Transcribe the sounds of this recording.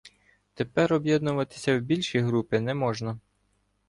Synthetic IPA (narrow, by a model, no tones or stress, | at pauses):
t̪e̞pɛɾɔbjɛd̪nʊʋɐt̪ɪ̥sʲɐwbʲilʲʃijɦɾupɪnɛmɔʒnɐ